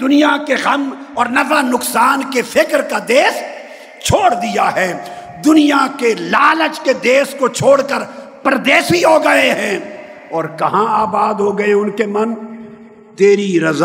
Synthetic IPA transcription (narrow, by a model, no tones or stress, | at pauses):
d̪ʊnijakeɣɐmɔːɾnɐfanʊksaːnkefɪkɾkad̪eːs | t͡ʃʰoːɽd̪ijaɦɛː | d̪ʊnijakelaːlət͡ʃked̪eːskot͡ʃʰoːɽkəɾpɾd̪eːsiɦoɡɐeɦɛ̃ː | ɔːɾkɐɦãaːbaːd̪ɦoɡɐeʊnkemɐn | t̪eːɾiɾɐz